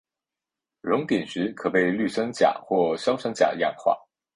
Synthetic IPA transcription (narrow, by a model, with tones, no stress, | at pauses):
ɻʊ˧˥ŋt̪i˨˩nʂɻ̩˧˥kʰɤ˨˩pe˥˧ɪly˥˩ʂɤ˥ŋt͡ɕja̰˨˩˦xwɔ˥˩ɕjɑ˥ʊʂɤ˥ŋt͡ɕja̰˨˩d̪ə˧jɑ̰˥˧ŋxwa̰˥˩